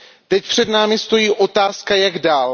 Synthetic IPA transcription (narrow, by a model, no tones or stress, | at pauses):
t̪ɛc̚pr̝̥ɛdnaːmɪst̪o̞jiːʔo̞t̪aːskajaɡdaːl